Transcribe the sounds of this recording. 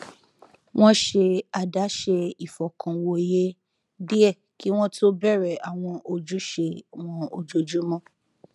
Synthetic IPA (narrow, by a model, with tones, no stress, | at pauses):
w̃ɔ̃˦ʃe˧a˨da˨˦ʃe˧i˨fɔ˨kʰã˨˧wo˧˨je˦ | di˦ɛ˦˨ | ki˦w̃ɔ̃˦tʰo˦bɛ˦˨ɾɛ˨a˨w̃ɔ̃˧ʔo˧d͡ʒu˦ʃe˧w̃ɔ̃˧o˨d͡ʒo˨d͡ʒu˨˦mɔ̃˦